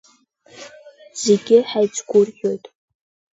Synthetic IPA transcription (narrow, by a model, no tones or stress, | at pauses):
z̥eɡʲɪħajt͡sɡʷʊrjo̞jtʼ